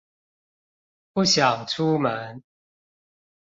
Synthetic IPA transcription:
pu˥˦˨ɕjɑ˨˩ŋʈ͡ʂʰu˦mə˨˦n

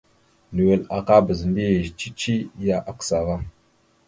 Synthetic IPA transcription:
nu˨we˨la˨ka˦bə˨zmbi˦˨t͡ʃi˦t͡ʃi˦ja˦ʔa˦ksa˨ɣa˦ŋ

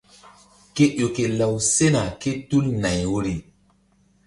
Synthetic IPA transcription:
ke˦ʔo˨ke˨la˨wse˦na˨ke˦tu˦lna˨jwo˦ɾi˦

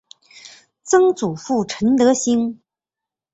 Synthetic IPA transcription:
t͡sɤ˥ŋt͡su˨˩fu˥˩ʈ͡ʂʰə˧˥nt̪ɤ˧˥ɕi˥ŋ

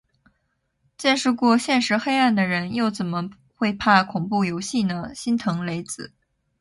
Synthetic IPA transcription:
t͡ɕjɛ˥˧nʂɻ̩˥˧kwɔ˥˧ɕjɛ˥˩nʂɻ̩˧˥xe˥ɪa˥˩nd̪ə˩ɻə˧˥njo˥˩ʊt͡sə˨˩nmə˦ | xwe˥˧ɪpʰa˥˩kʰʊ˨˩ŋpu˥˩jo˧˥ʊɕi˥˩nə˩ɕi˥nt̪ʰɤ˧˥ŋle˧˥ɪt͡sɹ̩˨˩˦

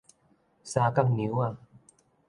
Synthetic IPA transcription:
saː˧ka˥˩˨ŋni˨˦a˧˨

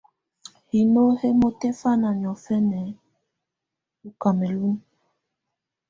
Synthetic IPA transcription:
hi˨no˦he˦mo˦te˦fa˦na˨ɲ˨ɔ˨fɛ˦nɛ˨ | u˨ka˨mɛ˨lu˦m

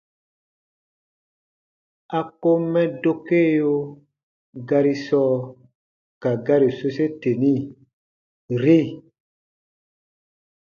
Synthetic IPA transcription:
a˨ko˦mɛ̃˦do˦ke˦˨jo˦ | ɡa˧ɾi˦sɔ˦ | ka˨ɡa˦ɾi˨so˦se˦te˨nĩ˦ | ɾi˦˨

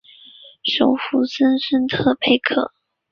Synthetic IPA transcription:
ʂo˨˥ʊfu˧˥sə˥nʂə˥nt̪ʰɤ˥˧pʰe˧˥ɪkʰɤ̰˨˩˦

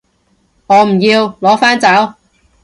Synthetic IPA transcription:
ŋɔː˨˧m̩˨˩jiː˧wlɔː˨˥faː˥nt͡sɐ˨˥w

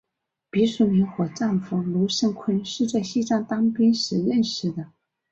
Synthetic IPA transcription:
pi˧˥ʂu˧˥mi˧˥nxwɔ˨˧˩ʈ͡ʂa˥˩nfɤ˥ŋlu˧˥ʂə˥˩ŋkʰwə˥nʂɻ̩˥˧t͡sa˥˧ɪɕi˥˧ʈ͡ʂɑ˥˩ŋt̪ɑ˥ŋpi˥nʂɻ̩˧˥ɻə˥˩nʂɻ̩˧˩d̪ə˩

